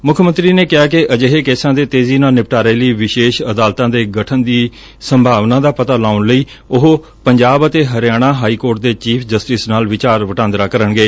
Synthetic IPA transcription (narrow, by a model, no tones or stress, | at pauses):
mʊkʰmə̃nt̪ɾiːneːkɪaːkɪʔəd͡ʒeɦeːkeːsãːd̪eːt̪eːziːnaːnɪp̚ʈaːɾeːləiːʋɪʃeːʃəd̪aːlt̪ãːd̪eːɡəʈʰənd̪iː | səmbʱaːʋnãːd̪aːpət̪aːlaːʊnləiː | ʊɦ | pəɲd͡ʒaːbət̪eːɦəɾɪjaːɽ̃ãːɦaːiːkoːɾʈ̚d̪eːt͡ʃiːpʰd͡ʒəsʈɪsnaːlʋɪt͡ʃaːɾʋəʈãːnd̪ɾaːkəɾənɡeː